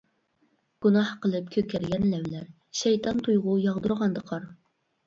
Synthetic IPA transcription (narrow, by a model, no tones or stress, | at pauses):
ɡ̥unɑhqəlˠɨp̚kʲʰøkʲʰɛɾɡʲɛnlɛwlæɾ | ʃɛjt̪ʰɑnt̪ʰujʁʊjɑʁd̪uɾʁɑnd̪əqʰɑɾ